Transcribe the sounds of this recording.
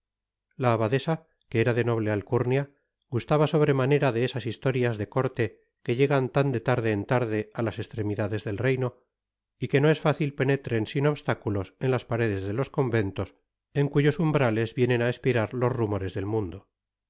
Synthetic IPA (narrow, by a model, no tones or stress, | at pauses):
laːβaðe̞sa | keeɾaðe̞no̞β̞le̞alkuɾnja | ɡust̪aβaso̞β̞ɾe̞mane̞ɾaðe̞esasist̪o̞ɾjazðe̞ko̞ɾt̪e̞ | ke̞ʎe̞ɣant̪and̪e̞t̪aɾðe̞ːnt̪aɾðe̞alase̞st̪ɾe̞miðaðe̞zðe̞lrejno̞ | ike̞no̞e̞sfaθilpe̞ne̞t̪ɾe̞nsino̞βst̪akulo̞se̞nlaspaɾe̞ðe̞zðe̞lo̞sko̞mbe̞nt̪o̞s | e̞ŋkuʝo̞sumbɾale̞zβje̞nenaespiɾaɾlo̞zrumo̞ɾe̞zðe̞lmũnd̪o